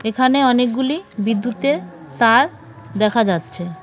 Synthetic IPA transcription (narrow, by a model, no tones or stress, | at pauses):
ekʰaneɔnek̚ɡulibid̪ːut̪e | t̪aɾ | d̪ɛkʰad͡ʑatːɕʰe